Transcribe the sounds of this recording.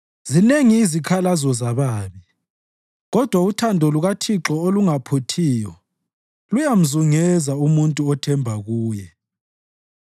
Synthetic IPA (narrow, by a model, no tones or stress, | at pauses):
zineŋiːzikʰalazɔzaβaːβi | ɣɔd̥ʱwautʰandʱɔluɣatʰiǁɔoluŋapʰotʰijɔ | lujam̩zuŋɛzaumuntʼuɔtʰɛmbʱaɣuːjɛ